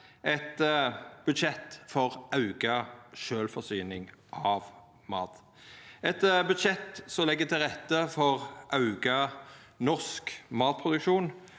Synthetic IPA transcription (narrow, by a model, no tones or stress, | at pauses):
ɛt̪b̥ʉd̪ʃɛt̪ːfɔʁʔɑʉɡɑʃøːlfɔsyːnɪŋʔɑːʋ | mɑːt̪ | ɛt̪bʉd̪ʃɛt̪ːsɔlɛɡːət̪ʰɪlʁɛt̪ːəfɔʁʔɑʉɡɑ | nɔskmɑːt̪̚pʰʁʊd̪ʉkʃuːn